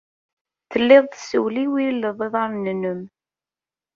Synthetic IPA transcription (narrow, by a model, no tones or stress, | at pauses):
θəlːɪðˤsəwliwilːəðˤeðˤɑɾnənəm